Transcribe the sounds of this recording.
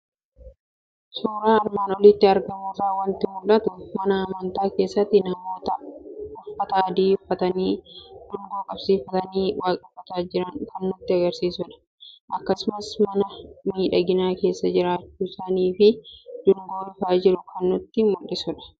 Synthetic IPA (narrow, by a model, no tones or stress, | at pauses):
suːɾaːɐɾmaːnɔlɪt̪ːɪɐɾɡɐmoːsaːwɐnt̪ɪmʊlːɐt̪ʊmɐnɐɐmɐnt̪aːke̞ːsːɐt̪ːɪnɐmoːt̪ɐʊfɐt̪ɐɐd̪iːfɐt̪ɐniːd̪̥ʊŋɡoːkʼɐbsiːfɐt̪ɐniːwaːkʼɪfːɐt̪aːd͡ʒɪɾɐnkɐnːʊt̪ːɪɐɡɐɾsiːsʊᶑɐ̥ | ʔɐkːɐsʊmɐsmɐnɐmiːᶑɐɡɪnaːke̞ːsːɐd͡ʒɪɾaːt͡ʃːuːsaniːfɪd̪̥ʊŋɡoːɪfaːd͡ʒɪɾʊkʰɐnːʊt̪ːɪmʊlːɪsʊᶑɐ̥